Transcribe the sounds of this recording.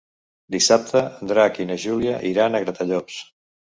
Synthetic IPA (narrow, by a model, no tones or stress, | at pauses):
d̪isap̚t̪əənd̪ɾaːkinəʒuliəʔiɾanəɣɾət̪aʎɔs